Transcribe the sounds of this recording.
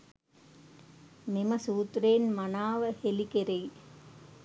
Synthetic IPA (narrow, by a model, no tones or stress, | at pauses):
memɐsuːt̪ɾeːnmɐnaːʋɐhelikeɾej